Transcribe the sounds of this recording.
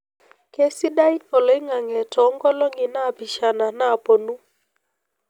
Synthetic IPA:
ke˦si˦da˦i˦kɔ˨lɔ˨˦ɪ˦ŋa˨ŋɛ˨tɔ˨˦ŋɡɔ˦lɔ˦ŋɪ˨na˦˨pi˨ʃa˨na˨na˦˨po˨nu˦

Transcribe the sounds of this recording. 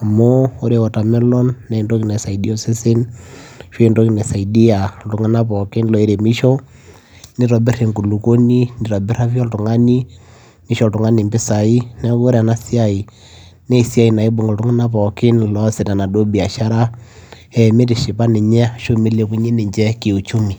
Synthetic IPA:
a˨mo˦o˦ɾe˨wɔ˨ta˨mɛ˦lɔ˦nːɛ˨i˨ndo˦ki˨nɛ˨sa˨i˨di˦ɔ˦sɪ˦sɪ˦nʃo˦i˨ndo˦ki˨nɛ˨sa˨i˨di˦a˨ltʊ˨ŋa˦na˦pɔ˨kɪ˦nlɔ˨i˦ɾe˨mɪ˦ʃɔ˦ | nɪ˦ɾɔ˨bɪ˦re˨ŋku˨lu˨ko˦ni˦nɪ˨ɾɔ˨bɪ˦ɾa˦fjɔ˦ltʊ˨ŋa˦ni˦ | mɪ˦ʃɔ˨ltʊ˨ŋa˦ni˨mbɪ˦sa˨i˦nɛ˦ko˦ɾe˦a˨na˦si˦a˦˨i˨ | nɛ˦i˨si˦a˦i˨na˨i˦bo˨ŋɡo˨ltʊ˦ŋa˦na˦pɔ˨kɪ˦nlɔ˦sɪ˨ta˨na˨do˦bi˨a˨ʃa˦ɾa˦ | ɛ˨me˦tɪ˨ʃɪ˨pa˦nɪ˨ɲɛ˦a˨ʃo˦mi˦le˨˦ku˦ɲe˦nɪ˨ɲd͡ʒɛ˦kɪ˨u˨t͡ʃu˦mi˨

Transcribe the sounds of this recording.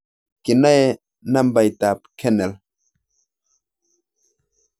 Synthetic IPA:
ki˨na˦e˦ | na˦mba˨jt̪a˨p̚kʰe˦ne˨l

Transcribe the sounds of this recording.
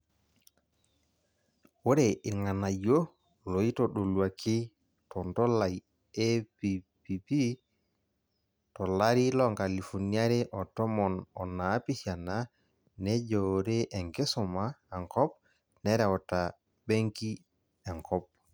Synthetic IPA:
wo˦ɾe˨ʔi˨ŋa˨na˨jo˦ | lo˨i˦to˨ɗo˨lwa˨kʰi˦ | tɔ˨ndɔ˦la˨j | e˦pi˨ | pi˨pi˦ | tɔ˨la˦ɾi˦lɔ˦ŋka˨li˨fɔ˨nia˦ɾe˦ʔɔ˨tɔ˦mɔ˨nɔ˨naː˨˦pi˦ʃa˨na˦ | nɛ˦ɟoɾe˦ʔe˨ŋke˦sɔ˨ma˦e˨ŋkɔ˦p̚ | nɛ˦ɾɛ˨ɔ˨ta˨ | be˦ŋki˦ | e˨ŋkɔ˦p̚

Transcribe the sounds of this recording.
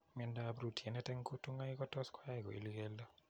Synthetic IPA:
mɛ˦nda˦a˨bɾu˨tʰi˨ɛ˨nɛ˦tɛ˦ŋku˦tu˦ŋa˦ikɔ˦tɔ˦skwa˦jɛ˨kɔ̰˨ḭ˨lɡɛ˦lːɔ˦

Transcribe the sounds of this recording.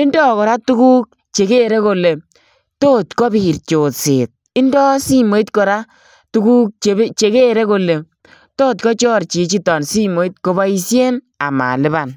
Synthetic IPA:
ɪ˦ndɔ˦kɔ˨ɾa˦tu˦kuː˦k̚ | t͡ʃe˨ke˦ɾe˦ko˨le˨ | toː˦tkɔ˦bi˨ɾt͡ʃo˨tse˨t̚ | ɪ˦ndɔ˦si˦mo˨˦i˦tkɔ˨ɾa˦ | tu˦ku˦k̚t͡ʃe˨˦t͡ʃe˨ke˦ɾe˦ko˨le˨ | toː˦t̚kɔ˦t͡ʃɔ˦ɾt͡ʃi˨t͡ʃi˦tɔ˨nsi˦mo˨i˦t̚ko˧ba˦i˧sje˦n | a̰˨ma̰˨lɪ˦ba˨n

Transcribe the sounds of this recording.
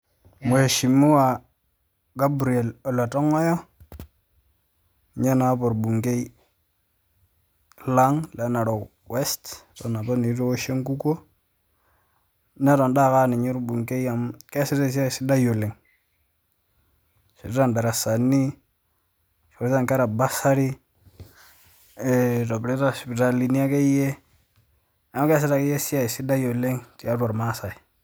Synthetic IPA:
mo˨e˨ʃi˨mu˦wa˨ | ɡa˦bɾi˨e˨lɔ˨la˨tɔ˦ŋɔ˦jɔ˦ | ɲa˦na˨˦pɔ˨ɾbu˨ŋke˦i˦ | la˦ŋlɛ˨˦na˨ɾɔ˨ | wɛ˦sttɔ˨na˨pa˦ni˨˦to˦wo˦ʃe˦ŋku˦ko˦ | na˦ɾɔ˨nda˦˨ka˦˨nɪ˨ɲɪ˦ɾbu˨ŋke˦ja˨mke˦si˦ɾe˦˨s̬i˦a˦i˨si˦da˦jo˨le˨ŋ | ʃḭ˨ɾɾa˦˨nda˨ɾa˨sa˨nːi˦ | ʃɾe˦a˦˨ŋka˦ɾa˨ba˦sa˦ɾi˦˨ | ɾo˨bɾe˦ta˦spi˨ta˨li˨ni˦a˦ke˦je˦ | ja˨m˦ke˦s̬i˦ɾa˨ke˦je˦si˦ja˦i˨si˦da˦jo˨le˦ŋti˨a˦ta˨ɾma˦sa˨i˨

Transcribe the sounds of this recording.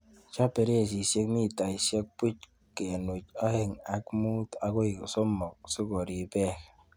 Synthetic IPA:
t͡ʃa˦pe˨ɾe˦e˨s̬i˨se˦kmi˦˨ta˨i˨sje˦k̚pi˦t͡ʃ | ke˨no˨t͡ʃɔ˦he˨ŋa˨kmu˦ta˨ko˦ji˨kso˦mɔ˨k̚su˦ko˨ɾi˨be˦˨k

